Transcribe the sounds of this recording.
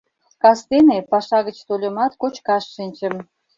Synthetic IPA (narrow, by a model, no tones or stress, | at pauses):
kɑst̪enepɑʃɑɣət͡ɕt̪olʲə̆mɑt̪kot͡ɕkɑʃːinʲt͡ɕəm